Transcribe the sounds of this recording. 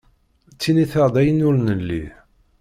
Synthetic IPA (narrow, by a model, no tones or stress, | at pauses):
t͡sːiniθəʁd̪æjənʊɾnəlːḭ